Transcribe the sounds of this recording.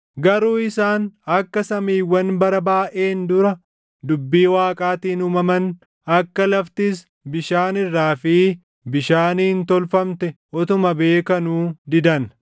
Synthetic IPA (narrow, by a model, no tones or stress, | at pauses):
ɡɐɾuːɪsaːnɐkːɐsɐmiːwɐnbɐɾɐbaːʔeːnd̪ʊɾɐ | d̪ʊbːiːwaːkʼaːt̪iːnuːmɐmɐn | ɐkːɐlɐft̪ɪs̬ | bɪʃaːnɪrːaːfiː | bɪʃaːniːɪnt̪ɔlfɐmt̪ɛʔɔt̪ʊmɐbe̞ːkɐnuːd̪ɪd̪ɐn